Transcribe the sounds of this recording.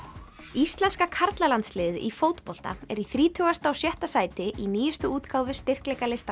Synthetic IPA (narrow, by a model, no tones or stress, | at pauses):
ist̪lɛnskakʰaɾt̪lalant̪slɪːðɪʔifowt̪pɔl̥t̪a̰ɛɾiθɾiːt̪ʰœɣast̪awsjɛht̪asaːjt̪ɪʔiniːjɪst̪ʏuːt̪kʰaːwvʏst̪ɪr̥klɛjkalɪst̪a